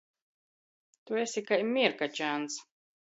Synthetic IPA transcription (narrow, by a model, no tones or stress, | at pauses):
t̪uɛsʲikajmiɾkat͡ʃans